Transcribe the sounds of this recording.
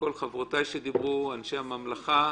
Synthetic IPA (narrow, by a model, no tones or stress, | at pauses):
ko̞lχavʁotajʃed̪ibʁuanʃeamamlaχa